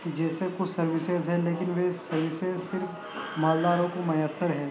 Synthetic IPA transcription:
d͡ʒɛːsekʊt͡ʃʰsɐɾʋɪsezɦɛleːkɪnʋesɐɾʋɪseːzsɪɾf | maːld̪aːɾõkomɐjəsːəɾɦɛː

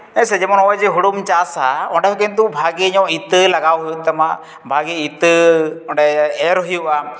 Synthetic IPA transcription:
ɛsɛd͡ʒɛmɔnɔɔjd͡ʒɛɦuɽumt͡ʃasaɔɳɖɛhɔkɛnt̪̬ubʱaɡiɲɔ̃ʔit̪əlaɡawɦujuʔt̪ɛma | bʱaɡiit̪əɔɖɛɛɾɦujuʔa

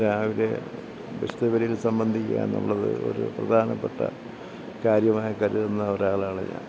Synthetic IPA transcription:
ɾaːʋiɾe̞ | beʂt̪ɐʋɐɾɐjilsɐmbɐnd̪ʱikʲːa̰ːjḛnːṵɭːɐðɨ̰o̞̰ɾṵprɐd̪ʱaːnɐpːeʈːɐ̰ | kaːɾjɐmaːjɐkɐɾuðenːɐoɾaːɭaːɭḛɲːa̰ː

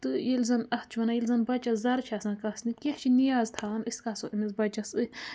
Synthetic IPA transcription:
t̪ɨjilzɐnɐht͡ʃʰɐnajilʲzɐnbɐt͡ʃazɐɾt͡ʃʰasɐnkɐsnikʲeht͡ʃʰinijaːzt̪ʰaːniskasoʔimizbɐt͡ʃɐsɨ

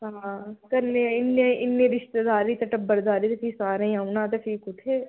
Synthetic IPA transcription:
ɦãːkɐɾneɪnːeɪnːeɾɪʃt̪ed̪aːɾit̪ɐʈɐbːəɾd̪aːɾit̪epʰiːsaːɾẽaʊnãːt̪̬epʰiːkʊt̪ʰːeː

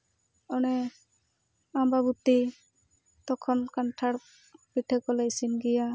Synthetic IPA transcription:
ɔnɛ | ambabut̪ːi | t̪ɔkʰɔnkanʈʰaɽ | piʈʰɛkɔlajsinɡija

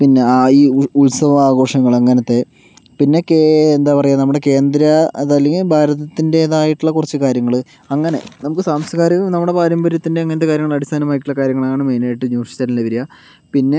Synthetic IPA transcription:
pinːe̞aiːuɭsɐʋɐmaːɡo̞ːʂɐŋːɐɭɐŋːɐnɐt̪ːe̞ | pinːo̞kːend̪aːpɐrɐjːanɐmːuɽe̞ke̞ːnd̪ɾɐðɐlːeŋbʱaːɾɐðɐt̪ːinde̞ːðaːjiʈːuɭːɐkurɐt͡ɕːɨkaːɾjɐŋːɐɭ | ɐŋːɐne̞̰nɐmukːɨsaːmsɐkaːɾɐnɐmːuɽe̞paːɾɐmbɐɾjɐt̪ːindeɐŋːɐnɐt̪ːekaːɾjɐŋːɐɭɐɽist̪ʰaːnɐmaːjiʈːuɭːɐkaːɾjɐŋːɐɭɐŋːɐɳemeːnaːjiʈːɨɲuːʂi̥t͡ɕːaːllebiɾija | pinːe̞

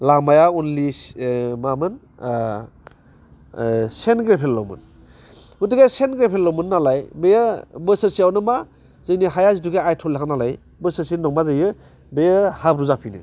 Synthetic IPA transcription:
lamajaunli | mamɯn | senɡɾepʰelːɔ̰mɯ̰n | utɯɡesenɡɾepʰelːɔmɯnːalajbejɯbɯsɯsiawnɯma | zɯjnihajazituɡeajtʰɔlːianalaj | bɯsɯsinɔŋmazɯjɯ | bejɯhabɾuzapʰinɯ̰

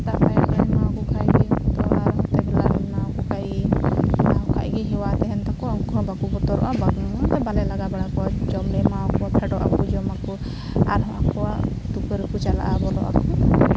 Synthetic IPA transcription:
t̪aʔpajakaɛmawkɔkʰajɡiɦɔt̪ɔ̰aɾɔt̪ɛbɛlanawkɔkʰajinaɔkʰa̰jɡɛɦɛwat̪ɛɦɛnt̪akɔɔŋkɔɔ̃bakubɔt̪ɔɾɔ̰ʔabaɡat̪ɛbalɛlaɡabaɽakɔwad͡ʒɔmɖɛmawkɔwapʰɛɖɔʔa̰kud͡ʒɔmaku | a̰ɾɦɔ̃ʔakɔwaʔ | t̪ukəɾkut͡ʃala̰ʔabɔlɔ̰ʔa̰kɔ

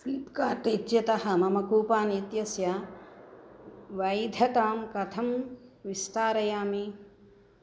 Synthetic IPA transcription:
siːpkaːt̪itːjɐt̪ɐɦɐmɐmɐkuːpaːnit̪jɐsjɐ | ʋɐjd̪ʱɐt̪aːmkɐt̪ʰɐmʋist̪aːɾɐjaːmi

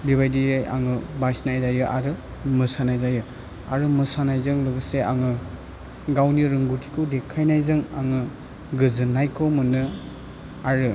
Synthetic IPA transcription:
biβajdijajʔa̰ŋɯbajsnajzajɯʔaɾɯ | mɯsanajzajɯ | aɾɯmɯsanajzɯŋlɯɡɯseʔaŋɯ | ɡawniɾɯŋɡutʰi̥kʰɯdekʰːajnajzɯŋaŋɯ | ɡɯzɯnːajkʰɔmɯnɯ | aɾɯ

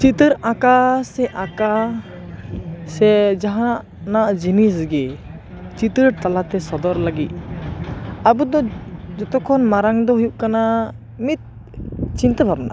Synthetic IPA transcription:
t͡ʃit̪əɾakasɛʔaka | sɛd͡ʒaɦaʔ | naʔd͡ʒinisɡɛ | t͡ʃit̪əɾt̪alat̪ɛsɔd̪ɔɾlaɡit̪̚ | abud̪ɔd͡ʒɔt̪ɔkʰːɔnmaɾaŋd̪ɔɦujuʔ̚kana | mit̪̚ | t͡ʃint̪əbʰʱab̚na̰

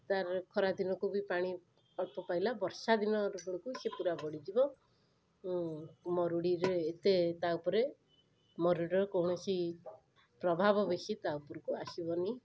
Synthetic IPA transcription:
t̪aɾkʰɔɾad̪inɔkubipaɽ̃i | ɔɭpɔpajlabɔɾsad̪inɔɾubɔɽ̃ɔkusepuɾabɔɽid͡ʒibɔ | mɔɾuɽiɾeːt̪et̪aupɔɾe | mɔɾuɽɔɾkɔwɳɔsi | pɾɔbʱabɔbesit̪aupɔɾɔkuasibɔni

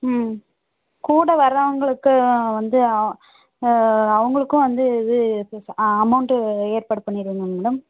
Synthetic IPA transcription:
kuːɽɐʋɐɾɐʋɐŋɡɐɭɯkːɯʋɐnd̪ɯ | ɐʋɐŋɡɐɭɯkːʊ̃ʋɐnd̪ɯɪðɯ | ɐmɐʊɳʈɯeːɾpaːɽɯpɐɳːɪɾɯɯŋɡɐmeːɽɯm

